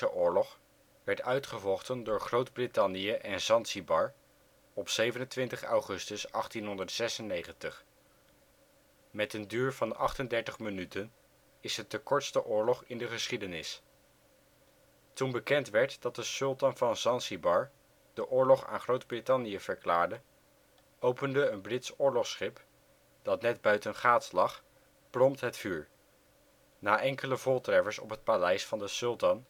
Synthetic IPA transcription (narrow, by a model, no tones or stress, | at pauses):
əʔʊːɹlɔχ | ʋɛɹtœɥtχəvɔχtəndʊːɹχrowdbrɪtɑnijəʔɛnsɑnsibɑɹ | ɔpsejvənəntʋɪntəχɑ̰wχɵstəsɑχtinɦɔndəɹtsɛsənːejχəntəχ | mɛtəndyːɹvɑnɑχtəndɛɹtəχmənytən | ɪsətəkɔɹtstəʔʊːɹlɔχɪndəχəsχidənɪs | tunbəkɛntʋɛɹtd̥ɑt̚dəsɵlˠtɑnvɑnsɑnsibɑɹ | d̥əʔʊːɹlɔχa̰ːnχrowdbrɪtɑnijəv̥əɹklaːɹdə | owpəndəːnbrɪtsʊːɹlɔχsχɪp | d̥ɑtnɛdbœɥtənχaːtlɑχ | prɔmtɦətfyːɹ | naːʔɛŋkələvʊːlˠtrɛvəɹsɔ̰pɦət̚palɛjsfɑndəsɵlˠtɑn